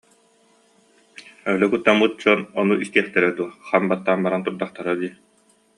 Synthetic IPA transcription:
œlɛkut̪ːamut̪̚t͡ɕɔnɔnuʔist̪iɛχt̪ɛɾɛd̪uɐχanbat̪ːaːnbaɾant̪uɾd̪aχt̪aɾad̪iː

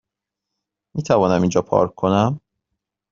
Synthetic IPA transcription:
miːt̪ʰævɒːnæmind͡ʒɒːpʰɒ̰ːɾkʰkʰːonæm

